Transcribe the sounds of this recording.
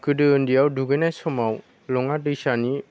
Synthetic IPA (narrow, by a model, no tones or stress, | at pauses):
kɯdɯɯndijawduɡɯjnajsɔmaw | lɔŋaɯsani